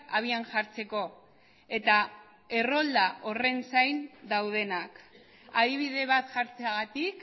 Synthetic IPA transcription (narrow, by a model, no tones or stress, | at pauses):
aβ̞ianʝaɾt͡se̞ko̞ | e̞t̪a | e̞ro̞ld̪aʔo̞re̞nsajnd̪awð̞e̞nak | aðiβ̞iðe̞β̞at̪ʝaɾt͡seaɣat̪ik